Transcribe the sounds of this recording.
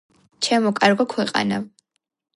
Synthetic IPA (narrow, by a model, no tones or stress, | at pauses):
t͡ʃʰɛmɔkʼaɾɡɔkʰwɛqʼa̰na